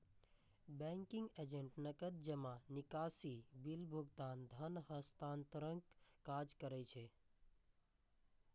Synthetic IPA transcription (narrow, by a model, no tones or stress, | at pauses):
bɛ̃ŋkĩŋɡed͡ʒẽɳʈnəkət̪̚d͡ʒəmanikasibilbʱuɡt̪and̪ʱənhəst̪ant̪əɾəŋkːad͡ʒkəɾɛt͡ʃʰe